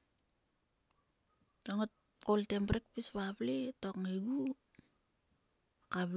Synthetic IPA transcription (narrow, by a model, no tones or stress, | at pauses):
toŋot | koltemprek̚pispapletokŋeɡu | kap